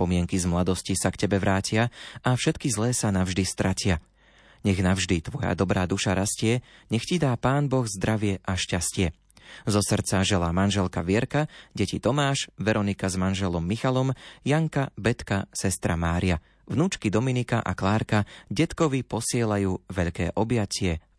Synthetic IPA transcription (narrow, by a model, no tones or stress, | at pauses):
pɔmɪɛŋkizmlad̪ɔscisakcɛbɛʋɾaːcɪaafʃɛt̪kizlɛːsanavʒd̪ist̪ɾacɪa | ɲɛɣnavʒd̪it̪ʋɔja̰d̪ɔbɾaːd̪uʃaɾascɪɛɲɛxcid̪aːpaːnbɔɣzd̪ɾaʋɪɛʔaʃcascɪɛ | zɔsr̩t͡saʒɛlaːmanʒɛlkaʋɪɛɾkaɟɛcit̪ɔmaːʃʋɛɾɔnikazmanʒɛlɔmːixalɔmjaŋkabɛt̪kasɛst̪ɾamaːɾia | ʋnuːt͡ʃkid̪ɔminikaʔa̰klaːɾkaɟɛt̪kɔʋipɔsɪɛlajuːʋɛʎkɛːʔɔbɪjacɪɛ